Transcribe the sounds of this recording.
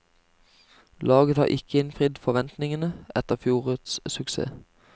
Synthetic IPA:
lɑːɡət̪hɑ̰ːʔɪkəɪnfʁɪd̪fɔʋɛnt̪nɪŋənəʔɛt̪əʁfjuːʁʉːd̪ssʉksḛː

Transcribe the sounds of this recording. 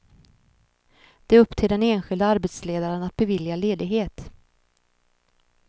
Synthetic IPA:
d̪̥ɛɵpːt̪ʰeɖ̪ɛneːnɧɪld̪aaɾbɛt̪sleːd̪aɾənat̪̚bɛvɪljaleːd̪ɪɡɦeːt̪

